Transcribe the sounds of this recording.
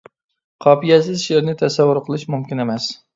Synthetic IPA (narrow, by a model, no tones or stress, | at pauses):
qʰɑːpijɛsɪzʃeɾnɪt̪ʰɛsɛwːʊɾqʰəlˠɨʃmumkʲɪnemɛs